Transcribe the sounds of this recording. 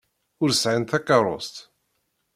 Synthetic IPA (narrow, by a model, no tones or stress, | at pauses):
ʊɾsʕint̪ækɑɾˤo̰st̪